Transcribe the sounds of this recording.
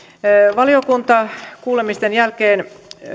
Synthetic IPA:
ʋɑliokunt̪ɑkuːlemist̪enjælkeːn

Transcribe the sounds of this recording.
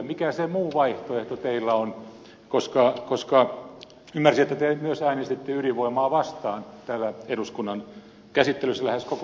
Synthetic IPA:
mikæsemuːʋɑiht̪oeht̪ot̪eilːæon | koskɑkoskɑ | ymːærsiet̪ːæt̪emyøsæinest̪et̪ːeyriʋoimɑːʋɑst̪ɑːnt̪æːlːæeduskunːɑn | kæsit̪ːelysːælæheskok

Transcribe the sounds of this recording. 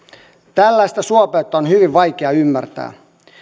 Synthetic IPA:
t̪ælːæjst̪æsuɑpeːt̪ːɑonhyʋiʋʋɑjk̟eɑymːært̪æ̰ː

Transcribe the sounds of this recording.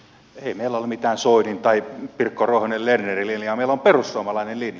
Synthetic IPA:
eimeilæolmit̪æːnsoinint̪ɑipirkːoroihonʲellernerilinjɑmeilomperusːuɑmɑlɑinellinjɑ

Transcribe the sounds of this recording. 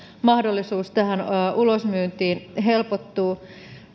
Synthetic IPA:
mɑhdolːisuːst̪æhænʔulosmyːnt̪iːnɦelpot̪ːuː

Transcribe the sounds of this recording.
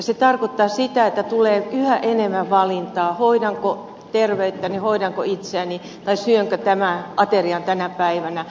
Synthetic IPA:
set̪ɑrkot̪ːɑːsit̪æet̪ːæt̪uleːyhæʔenemːæʋʋɑlint̪ɑːhoidɑŋko | t̪erʋeyt̪ːænihoidɑŋko̰it̪seæni | t̪ɑisyøŋkøt̪æmæʔɑt̪eriɑnt̪ænæpæiʋænæ

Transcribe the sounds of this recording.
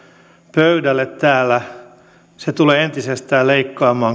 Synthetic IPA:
pøydælːet̪t̪æːlæ | set̪uleːent̪isest̪æːleikːɑːmɑː

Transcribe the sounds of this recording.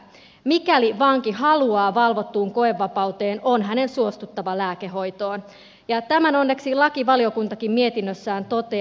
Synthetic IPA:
mikæliʋɑːŋkiɦɑluɑːʋɑlʋo̞t̪ːuːŋko̞e̞ʋːɑpɑut̪e̞ːno̞nɦæne̞nsuo̞st̪ut̪ːɑʋɑlæːkeɦo̞jt̪o̞ːn | jɑt̪æmæno̞nːe̞ksilɑkiʋɑlio̞kunt̪ɑkimmie̞t̪inːøsːæːnt̪o̞t̪e̞

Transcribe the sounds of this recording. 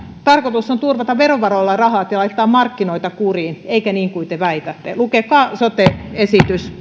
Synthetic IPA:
t̪ɑrkot̪usːont̪urʋɑt̪ɑʋʋeroʋʋɑrolːɑrɑhɑːt̪jɑlɑit̪ːɑːmmɑrkːinoit̪ɑkuriːneikæniːŋkuit̪eʋæit̪æt̪ːelukekɑːsot̪eesit̪ys

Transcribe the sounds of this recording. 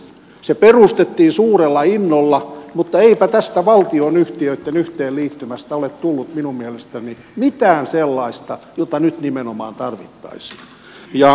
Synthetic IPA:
seperust̪et̪ːiːnsuːrelːɑinːolːɑmut̪ːɑeipæt̪æst̪æʋɑlt̪ionyht̪iøit̪ːenyht̪eːlliːt̪ːymæst̪æolet̪t̪ulːut̪minummielest̪æni | mit̪æːnselːɑist̪ɑjot̪ɑnyt̪nimenomɑ̰ːnt̪ɑrʋḭt̪ːɑ̰isi̥ː | jɑ

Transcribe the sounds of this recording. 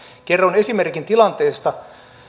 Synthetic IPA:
ke̞rːone̞simerkint̪ilɑnt̪e̞ːst̪ɑ

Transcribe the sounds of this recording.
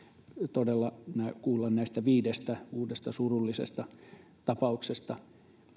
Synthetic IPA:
t̪odelːɑnækuːlːɑnnæist̪æʋiːdest̪æuːdest̪ɑsurulːisḛst̪ɑ | t̪ɑpɑuksest̪ɑ

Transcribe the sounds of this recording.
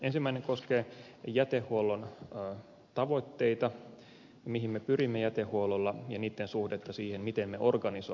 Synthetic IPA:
ensimːæineŋkoskeː | jæt̪ehːuolːonː | t̪ɑʋo̞t̪ːeit̪ɑ | miɦimmepyrimːejæt̪ehhuololːɑjɑniːt̪ːensuhdet̪ːɑsiːhenmit̪emmeʔorɡɑniso

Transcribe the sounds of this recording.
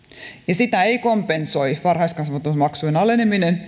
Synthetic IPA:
jɑsit̪æeikompensoiʋɑrhɑiskɑnsʋɑt̪usmɑksuenɑleneminen

